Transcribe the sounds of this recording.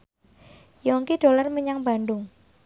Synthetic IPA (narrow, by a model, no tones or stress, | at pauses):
jɔŋkiɖ̥o̤larməɲaŋb̥a̤ndʊŋ